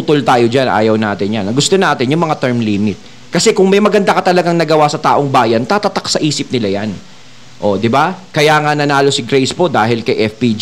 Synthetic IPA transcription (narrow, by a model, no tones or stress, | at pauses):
ut̪olt̪aːjod͡ʒanʔa̰ːjɐwnaːt̪ɪnjanɐɡʊst̪onaːt̪ɪnjʊŋmɐŋat̪ɛɹmliːmɪt̪̚ | kɐsɛkʊŋmɐjmɐɡɐnd̪akɐt̪ɐlɐɡaŋnɐɡɐwasɐt̪aːʔoŋbaːjɐnt̪at̪ɐt̪aksɐʔiːsɪp̚nɪlajan | ʔod̪ɪbakɐjaːŋɐnɐnaːlo̞sɪɡɾejspo̞d̪aːɦɪlkɐjʔɛfpid͡ʒ